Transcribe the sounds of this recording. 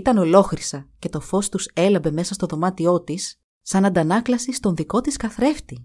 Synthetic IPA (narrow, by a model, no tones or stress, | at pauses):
it̪ɐno̞lo̞xɾisɐce̞t̪o̞fo̞st̪use̞lɐbe̞me̞sɐst̪o̞ðo̞mɐt̪io̞t̪isː | ɐnɐnd̪ɐnɐklɐsist̪o̞nðiko̞t̪iskɐθɾe̞ft̪i